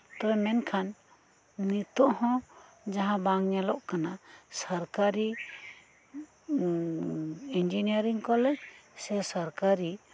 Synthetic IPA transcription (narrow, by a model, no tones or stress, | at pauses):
t̪ɔɛmɛnkʰanː | it̪ɔʔhɔ̃ | d͡ʒaɦãbaŋɲalɔʔkanasaɾkaɾi | ind͡ʒiniaɾiŋkɔlɛd͡ʒsɛsaɾkaɾi